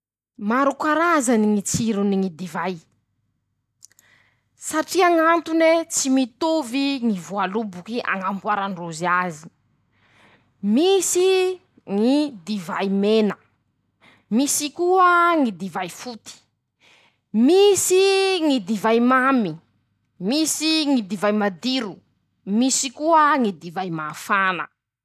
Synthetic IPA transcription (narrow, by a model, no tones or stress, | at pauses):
maɾukaɾazaniŋit͡siɾuniŋid̪ivaj | saʈ͡ʂiaŋant̪unet͡simit̪uviŋivualubukia̰ŋambwaɾaɳroziazi̥ | misi | ŋid̪ivajmenə | misikuəŋid̪ivajfut̪i̥ | misiŋid̪ivajmami | misiŋid̪ivajmad̪iɾu | misikuəŋid̪ivajmaːfanə̰